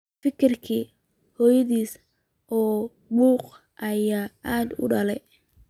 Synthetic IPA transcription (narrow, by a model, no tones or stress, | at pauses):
fɪkʰɪrkʰiː | hɔːjɐðiːs | ʔɔː | muːq | ʔɐjaːʔaːd̪ʊ̰ɖɐlɛj